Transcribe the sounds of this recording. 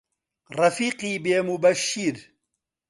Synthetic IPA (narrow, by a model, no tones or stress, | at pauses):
rɐfiːqiːbeːmubɐʃːiɾ